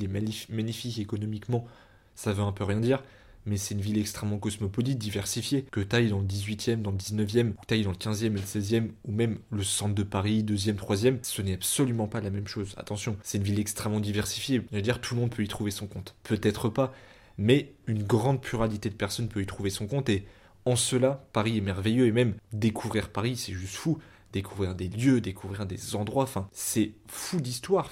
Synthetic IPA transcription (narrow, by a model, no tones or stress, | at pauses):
lemaimaɲifikekɔnɔmikmɑ̃ | savøɛ̃pøʁjɛ̃d̪iːʁ | mɛsɛt̪ynvilɛkst̪χɛmːɑ̃kɔsmɔpɔlit̪̚d̪ivɛʁsifjekət̪ajd̪ɑ̃ləd̪izɥit̪jɛmd̪ɑ̃ləd̪iznəvjɛmut̪ajd̪ɑ̃ləkʲɛ̃zjɛmeləsɛzjɛmumɛmləsɑ̃t̪d̪əpaʁid̪øzjɛmt̪χwazjɛmsənɛabsɔlymɑ̃palamɛmʃoza̰t̪ɑ̃sjɔ̃sɛt̪ynvilɛkst̪χɛmːɑ̃d̪ivɛʁsi̥fjeʒəd̪iʁt̪ʰulmɔ̃d̪̚pʰøit̪χuvesɔ̃kɔ̃t̪pʰøt̪ɛt̪χəpa | mɛynɡʁɑ̃d̪̚pʰlyʁalit̪ed̪əpɛʁsɔnpøit̪χuvesɔ̃kɔ̃t̪e | ɑ̃səlapaʁiɛmɛʁvejøemɛmd̪ekʰuvʁiʁpaʁisɛʒyst̪fu | d̪̥ekʰuvʁiʁd̪eljød̪ekʰuvʁiʁd̪ezɑ̃d̪ʁwaɑ̃fɛ̃sɛfud̪ist̪waːʁ